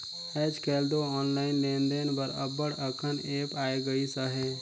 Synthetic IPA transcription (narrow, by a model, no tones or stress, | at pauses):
ɛd͡ʒkɛld̪oɔːnlaːɪnlend̪enbəɾə̰bːəɽəkʰəneːpaeɡəisəɦɛ